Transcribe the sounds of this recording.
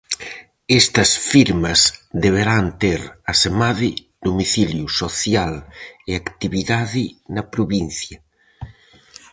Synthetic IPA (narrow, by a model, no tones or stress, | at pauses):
est̪ɐsfiɾmɐzd̪eβ̞eɾant̪eɾasemaði | d̪omiθiljusoθjaleakt̪iβiðaðinɐpɾuβin̟θjɐ